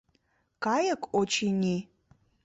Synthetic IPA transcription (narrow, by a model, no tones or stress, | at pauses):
kajɐkʷʼot͡ʃʰinʲi